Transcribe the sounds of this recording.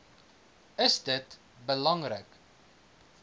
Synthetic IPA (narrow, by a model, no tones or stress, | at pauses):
əsdət | bəlɐŋrək